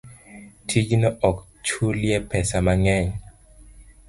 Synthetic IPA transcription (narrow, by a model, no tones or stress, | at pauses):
tʰiɡinɔʔɔk | t͡ʃʰuljɛpɛsamaŋɛɲ